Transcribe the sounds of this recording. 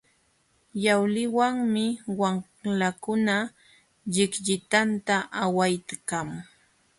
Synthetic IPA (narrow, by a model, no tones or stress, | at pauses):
jawlɪwaŋmɪwaŋ | lakʊna | ʎɪkʎɪt̪ant̪aʔawajt̪kaŋ